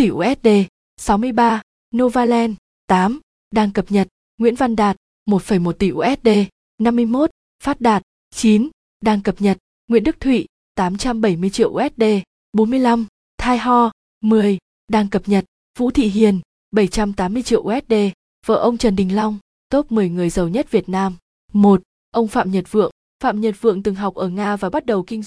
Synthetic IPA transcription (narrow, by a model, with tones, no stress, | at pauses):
t̪i˧˩ʔu˧ʔɛ˦˥t̚ɗe˧ | sa˨˦wmɨ˧əjɓaː˧ | no˧vaː˧lɛ˧n | t̪aː˨˦m | ɗaː˧ŋkə˨˩p̚ɲə˨˩t̚ | ŋwḭ˧˥ənva˧nɗaː˨˩t̚ | mo˨˩t̚fə˧˩jmo˨˩t̚t̪i˧˩ʔu˧ʔɛ˦˥t̚ɗe˧ | na˧mːɨ˧əjmo˦˥t̚ | faː˦˥t̚ɗaː˨˩t̚ | t͡ɕi˨˦n | ɗaː˧ŋkə˨˩p̚ɲə˨˩t̚ | ŋwḭ˧˥ənɗɨ˦˥k̚t̪ʰwḭ˧˨ | t̪aː˨˦mt͡ɕa˧mɓə˧˩jmɨ˧əjt͡ɕḭ˧˨əʔʔɛ˦˥t̚ɗe˧ | ɓo˨˦nmɨ˧əjla˧m | t̪ʰaː˧jɦɔ˧ | mɨ˨˩əj | ɗaː˧ŋkə˨˩p̚ɲə˨˩t̚ | vṵ˧˥t̪ʰḭ˧˨ɦi˨˩ən | ɓə˧˩jt͡ɕa˧mt̪aː˨˦mːɨ˧əjt͡ɕḭ˧˨əwʔu˧ʔɛ˦t̚ɗe˧ | və̰ː˧˩ʔə˧wŋ͡mt͡ɕə˨˩nɗï˨˩ŋ̟la˧wŋ͡m | t̪o˦˥p̚mɨ˨˩əjŋɨ˨˩əjzə˨˩wɲə˦˥t̚vi˨˩ət̚naː˧m | mo˨˩t̚ | ʔə˧wŋ͡mfa̰ː˧˨mɲə˨˩t̚vɨ̰˧˨əŋ | fa̰ː˧˨mɲə˨˩t̚vɨ̰˧˨əŋt̪ɨ˨˩ŋɦa˨˩wk͡p̚ʔəː˧˩ŋaː˧vaː˨˩ɓa˦˥t̚ɗə˨˩wkï˧ŋ